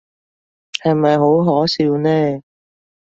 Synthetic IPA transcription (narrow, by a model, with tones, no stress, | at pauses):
hɐ˨jmɐ˨jɦo˨˥wɦɔː˨˥siː˧wnɛː˥